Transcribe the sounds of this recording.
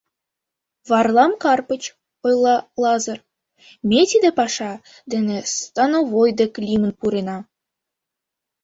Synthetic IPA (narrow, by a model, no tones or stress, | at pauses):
βɑrlˠɑmkɑrpə̆t͡ɕ | ojlˠɑlˠɑzɤ̆r | mʲet̪id̪ĕpɑʃɑ | d̪ĕnĕst̪ɑnovojd̪eklʲimə̆npuɾenɑ